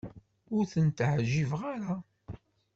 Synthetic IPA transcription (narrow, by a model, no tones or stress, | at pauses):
ʊɾθənt̪ʕʒːivʁaɾa